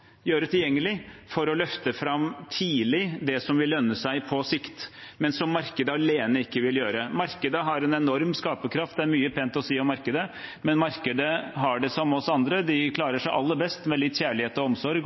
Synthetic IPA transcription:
jøːɾət̪ʰɪljɛŋːəlɪfɔɾɔlœft̪əfɾɑmt̪ʰiːlɪd̪ɛsɔmʋɪlːœnːəsæɪpʰɔsɪkt̪mɛnsɔmːɑɾkəd̪əɑleːnəɪkːəʋɪljøːɾəmɑɾkəd̪əɦɑɾɛnɛnɔɾmskɑːpəkʰɾɑft̪̚d̪ɛæɾmyːəpʰɛnt̪ɔsiːɔmːɑɾkəd̪əmɛnmɑɾkəd̪əɦɑɖɛsɔmɔsɑnd̪ɾəd̪ɪkʰlɑːɾəʂæɪʔɑlːəbɛst̪mɛlɪt̪ːçæːɭɪheːt̪ɔɔmsɔɾɡ

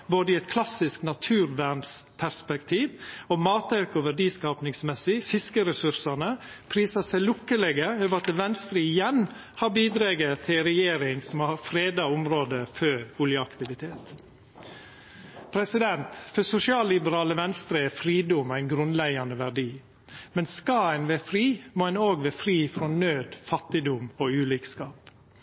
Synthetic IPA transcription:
boːd̪əɪɛt̪̚kʰlɑsɪsknɑt̪ʰʉːɾʋæɳspʰæɾspɛkt̪ʰiːʋomɑːt̪ɑʉkʊʋæɖiːskɑːpnɪŋsmɛsɪfɪskəɾɛsʉɾsɑnə | pʰɾiːsɑsæɪlʊkːəlɛɡəøːʋɾɑt̪əʋɛnst̪ɾiɪjɛn | hɑɾbiːd̪ɾeːɡət̪ʰɪɾɛjeːɾɪŋsɔmɑfɾeːd̪ɑʊmɾoːd̪əføːɾʊljəɑkt̪ɪʋɪt̪ʰeːt̪ | pʰɾɛsɪd̪ɛnt̪fœsʊsɪɑːllɪbəɾɑːləʋɛnst̪ɾəɛfɾiːd̪ʊmæɪnɡɾʉnlæɪɑnəʋæɖiː | mɛnskɑænʋefɾiːmoːɛnoːɡʋeːfɾiːfɾoːnøːd̪fɑt̪ɪd̪ʊmoːʉːliːkskɑːp

